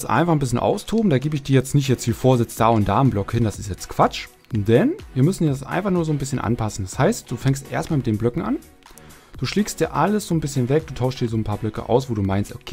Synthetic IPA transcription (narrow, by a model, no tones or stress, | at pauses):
sʔa̰ɪnfaχn̩bɪsçənʔa̰ʊstʰoːbm̩d̥aːɡeːbəɪçd̥iːɐjɛt͡stnɪçtjɛt͡stv̥iːfoːɐzɪt͡sd̥aːʊnt̚d̥aːmblɔkhɪndasɪ̥stjɛt͡stkv̥at͡ʃ | d̥ɛnviːɐmʏsn̩diːdasʔa̰ɪnfaχnuːɐzoːnbɪsçənʔa̰npʰasn̩dashaɪst̚d̥uːfɛŋstʔḛːɐstmaːlmɪtd̥eːmblœkŋ̩ʔa̰n | d̥uːʃleːkst̚d̥iːɐʔaləsz̥oːnbɪsçənvɛk̚d̥uːtʰaʊçstd̥iːɐzoːnpʰaːɐblœkə̰ʔa̰ʊsv̥oːduːmaɪnstʔokʰeː